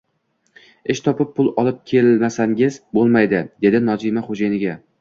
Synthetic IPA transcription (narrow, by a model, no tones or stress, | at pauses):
ɪʃt̪ʰɒpɪp̚ʰːʊlˠɒlˠɪp̚kʲʰe̞lmasaŋɪzbolˠmajd̪ɪd̪e̞d̪ɪnɒzimaχod͡ʒajnɪɡʲa